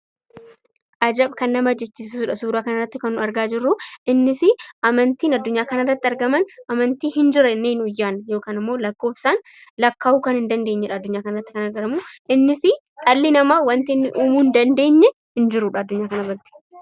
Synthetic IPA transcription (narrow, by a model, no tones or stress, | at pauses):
ʔɐd͡ʒɐbkɐnːɐmɐɐd͡ʒːɛt͡ʃːiːssisuːᶑɐsuːɾaːkɐnɐrːɐt̪ːɪkɐnːʊɐɾɡaːd͡ʒɪrːʊʔɪnːɪsɪʔɐmɐnt̪iːnɐd̪ːʊɲːaːkɐnɐrːɐt̪ːɪɐɾɡɐmɐnɐmɐnt̪iːhɪnd͡ʒɪɾɛnːeːnʊjːaːnjo̞ːkaːnɪmːo̞ːlɐkːo̞ːfsaːn | lɐkːaːhuːkɐnhɪnd̪ɐnd̪eːɲːɛᶑɐːd̪ːʊɲːaːkɐnɐrːɐt̪ːɪkɐnɐɾɡɐɾɐmuʔɪnːɪsɪ | t̪ʼɐlːinɐmawɐnt̪ɪnːɪʔuːmuːnd̪ɐnd̪e̞ːɲːɛ | hɪnd͡ʒɪɾʊᶑɐːd̪ːʊɲːaːkɐnɐrɐt̪ːɪ̥